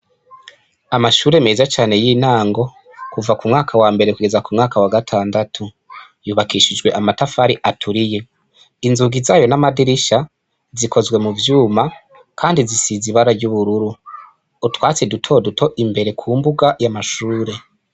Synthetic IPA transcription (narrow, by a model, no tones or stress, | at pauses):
amaʃuːɾe̞mezat͡ʃaːne̞jiːn̥aːŋɡo̞ | kuvakumŋaːkʰawaːmbe̞ɾe̞kuɡe̞zakumŋaːkawaɡatʰaːndatʰu | juːβakiʃid͡ʒɡwe̞ʔamatafaɾiʔatʰuɾije̞ | inzuːɡizaːjo̞namadiɾiʃa | zikʰo̞zɡwe̞muvjuːma | kʰaːndizisiziβaɾaɾɟuβuɾuɾuː | twaːt͡sedutʰo̞dutʰo̞ʔimbe̞ɾe̞kʰuːmbuɡajamaʃuːɾe̞